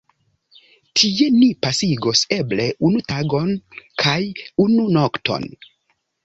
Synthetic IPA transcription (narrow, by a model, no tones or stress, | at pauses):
tʰie̞nipasiɡoseble̞ʔunutaɡo̞nkʰajununoktʰo̞̰n